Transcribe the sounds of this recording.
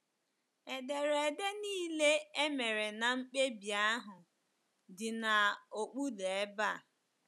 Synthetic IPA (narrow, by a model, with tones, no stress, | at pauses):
e˨de˨ɾe˨de˦niː˦le˦e˦me˨ɾe˨na˨ŋ͡m̩˦k͡pe˦bja˦ɦʊ˨ | dɪ˨na˨o˨k͡pu˦de˨e˦ba˦˨